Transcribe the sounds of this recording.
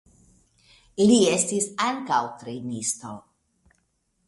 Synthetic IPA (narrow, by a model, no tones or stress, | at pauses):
liest̪isaŋkawt̪ɾenist̪o̰